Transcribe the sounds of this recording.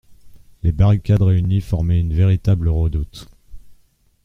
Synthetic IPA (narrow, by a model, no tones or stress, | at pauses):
lebaʁikʲad̪ʁeynifɔʁmɛynveʁit̪abləʁəd̪ut̪